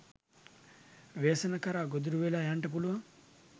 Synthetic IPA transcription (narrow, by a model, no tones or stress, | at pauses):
ʋeːsɐnɐkɐɾaːɡod̪uɾuʋelajaɳʈɐp̬uluʋɐ